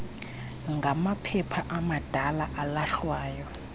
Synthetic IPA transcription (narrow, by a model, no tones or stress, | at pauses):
ŋɡʱamapʰɛpʰaʔamad̥ʱalaʔalaɬwaːjɔ